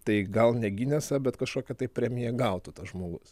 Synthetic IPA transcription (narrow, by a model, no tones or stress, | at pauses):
t̪ɐɪɡɐlˠnʲɛɡʲɪnʲɛsɐbʲɛt̪kɐʃkoːkʲɛt̪ɐɪpʲɾʲɛmʲɪjɛɡɐʊt̪ut̪ɐsʒmoːɡʊs